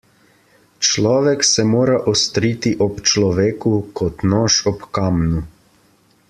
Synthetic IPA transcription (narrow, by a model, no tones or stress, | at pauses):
t͡ʃlɔːʋɛksɛmoːɾaʔɔst̪ɾiːt̪iʔɔpt͡ʃlɔʋeːkukɔt̪nɔːʃɔpkamnu